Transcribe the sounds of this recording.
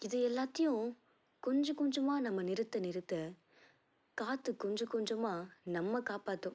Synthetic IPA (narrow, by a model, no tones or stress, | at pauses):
ɪðɯɛlːaːt̪ːɐjʊ̃ | kɔɲd͡ʒɐ̃kɔɲd͡ʒɐmaːnɐmːɐnɪɾɯt̪ːɐnɪɾɯt̪ːɐ | kaːt̪ːɯkːɔɲd͡ʒɐkɔɲd͡ʒɐmaːnɐmːɐkaːpaːʈːʊ̃